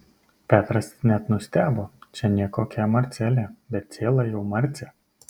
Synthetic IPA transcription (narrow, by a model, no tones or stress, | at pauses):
pʲæːt̪ɾɐsnʲæt̪nʊsʲt̪ʲæːboːt͡ʃʲɛnʲiɛkoːkʲɛːmɐɾʲt̪sʲɛlʲeːbʲɛt̪̚tsʲeːlˠɐjɛʊmɐɾʲt̪sʲɛ